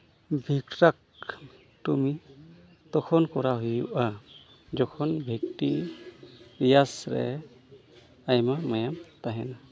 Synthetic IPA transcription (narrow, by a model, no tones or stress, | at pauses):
bʱikɾak̚ | tumi | t̪ɔkʰɔnkɔɾaɦujuʔa | d͡ʒɔkʰɔnbʱikti | pɾijasɾɛ̰ | ajmamajamt̪aɦɛna